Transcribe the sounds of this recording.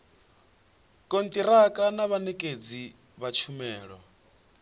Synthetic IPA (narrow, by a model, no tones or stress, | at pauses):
kʼont̪ʼiɾakʼanaβanɛkʼed͡zi | βat͡ʃʰumɛːɺɔ̰